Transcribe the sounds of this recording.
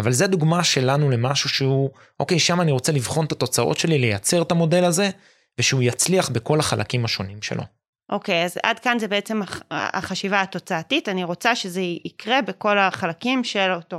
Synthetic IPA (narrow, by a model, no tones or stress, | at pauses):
avalzead̪uɡmaʃe̞lanule̞maʃuʃehu | ʔo̞ke̞jʃamaːniʁo̞t͡selivχo̞nt̪at̪o̞t͡saʔo̞̰tʃe̞lilejat͡se̞ʁtamo̞delaze̞ | veʃeujat͡sliaχbeko̞laχalʔa̰kimaʃo̞nimʃe̞̰lʔo̞̰ | ʔo̞ke̞jaza̰dkanzebeet͡se̞maa̰χaʃivaːt̪o̞t͡saːtitaniʁo̞t͡saʃe̞zeikʁe̞beko̞laχalakimʃeloto